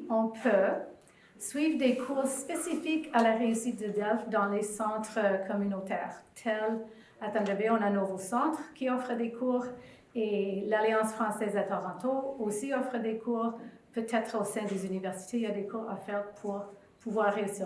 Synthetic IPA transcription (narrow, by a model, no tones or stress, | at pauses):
ɔ̃pʰø | sɥivʁd̪ekʰuːʁspesifikalaʁeysit̪̚d̪əd̪ɛlfd̪ɑ̃lesɑ̃t̪χəkʰɔmynot̪ɛːʁt̪ʰɛl | at̪ɛ̃ʒəbeɔ̃nanovosɑ̃t̪χkʲʰiɔfʁəd̪ekʰuːʁ | elaljɑ̃sfχɑ̃sɛzat̪ɔʁɑ̃t̪oosiɔfʁəd̪ekʰuːʁpøt̪ʰɛt̪χosɛ̃d̪ezynivɛʁsi̥t̪eilad̪ekʰuːʁa̰fɛʁpʰuʁ | pʰuvwaːʁːeysi